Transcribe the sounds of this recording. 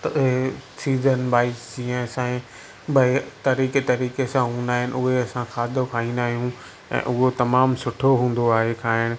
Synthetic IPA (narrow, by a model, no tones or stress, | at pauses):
t̪ɦsiːzənbaːɪsd͡ʑĩːə̃sãːẽ | bʱɐt̪ɐɾiːket̪ɐɾiːkesãɦũːn̆d̪aːɦɪnɪ̰ʔʊɦeɐsãxʰaːd̪ʱokʰaːĩːnd̪aːɦijũ | ɛ̰̃ːʔʊɦot̪ɐmaːmsʊʈʰoɦũːn̆d̪oaːɦekʰaːɦɪñɪ̆